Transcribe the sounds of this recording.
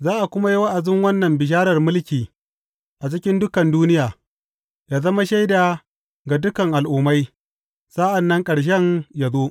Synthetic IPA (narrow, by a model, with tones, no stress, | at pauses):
zaː˦ʔa˨kʷʊ˦ma˦ji˦wa˦ʔa˨zɪ˦ŋwɐ˦nːɐ˨mbɪ˨ʃ̬aː˦ɾɐ˨rmʊ˦lkʲiː˨ | ʔa˨t͡ʃɪ˦kʲɪ˦ndʊ˦kɐ˨nduː˦nɪ˦jaː˨ | jaː˨zɐ˦ma˦ʃa˦jda˨ | ɡa˨dʊ˦kɐ˨ŋʔa˨lʔʊ˨ma˦j | saː˦ʔa˨nːɐ˦ŋkʼɐ˨ɽʃ̬ɛ˦ŋja˨zoː˦